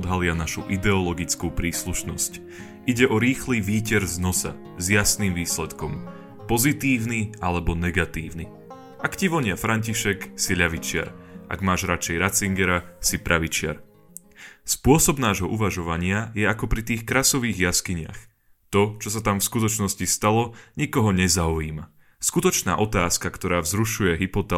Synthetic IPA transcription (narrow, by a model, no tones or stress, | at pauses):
d̪ɦalɪanaʃuʔid̪ɛɔlɔɡit͡skupɾiːsluʃnɔsc | ʔiɟɛʔɔɾiːxliʋiːcɛɾznɔsa̰ | zjasnimʋiːslɛt̪kɔm | pɔzit̪iːʊnialɛbɔnɛɡat̪iːʊni | ʔakciʋɔɲɪafɾaɲciʃɛksiʎaʋit͡ʃɪa̰ɾʔa̰ɡmaːʒɾat͡ʃɛjɾat͡siŋɡɛɾasipɾʔaʋit͡ʃɪa̰ɾ | spʊɔsɔbnaːʒɦɔʔuʋaʒɔʋaɲɪajɛakɔpɾit̪iːxkɾaːsɔʋiːɣjaskiɲɪa̰x | t̪ɔt͡ʃɔsat̪amfskut̪ɔt͡ʃnɔscist̪alɔɲikɔɦɔɲɛzauiːma | skut̪ɔt͡ʃna̰ːʔɔt̪aːskakt̪ɔɾaːvzɾuʃujɛɦipɔt̪ɛ